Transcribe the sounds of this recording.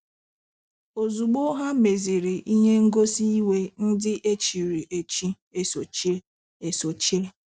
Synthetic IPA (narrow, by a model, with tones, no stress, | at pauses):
o˨zu˨ɡ͡bo˦ɦa˦me˨zi˨ɾi˨ʔi˦ɲe˦ŋ̩˦ɡo˦si˦i˦we˦n̩˦dɪ˦ʔe˦t͡ʃi˨ɾi˨ʔe˨t͡ʃi˦ | e˨so˨t͡ʃi˦ | e˨so˨t͡ʃi˦ɾ